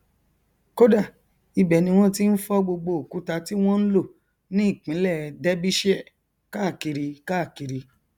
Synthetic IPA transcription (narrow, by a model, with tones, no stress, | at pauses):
ko˦da˦˨ | i˧bɛ˨nĩ˧w̃ɔ̃˦ti˦n̩˦fɔ˦ɡ͡bo˧ɡ͡bo˧o˨ku˨˦ta˧ti˦w̃ɔ̃˦n̩˦lo˦˨ | nĩ˦i˦˨k͡pĩ˨˦lɛ˦˨˧dɛ˦bi˦ʃi˦ɛ˦˨ | ka˦˨ki˧ɾi˧ka˦˨ki˧ɾi˧